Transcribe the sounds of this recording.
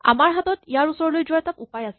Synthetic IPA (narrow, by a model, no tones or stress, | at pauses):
a̰maɹɦat̪ɔt̪jaɹusɔɹlojd͡ʑɔjt̪apupajase̥